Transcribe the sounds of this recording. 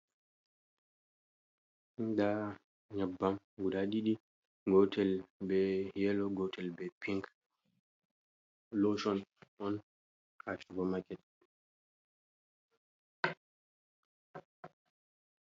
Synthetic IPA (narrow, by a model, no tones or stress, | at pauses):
da | ɲabːam | ɡuɗaɗiɗi | ɡɔtɛlbɛjɛlɔɡɔtʰɛlbɛpiŋk | loʃɔnʔɔn | kafiɡɔmakɛt̚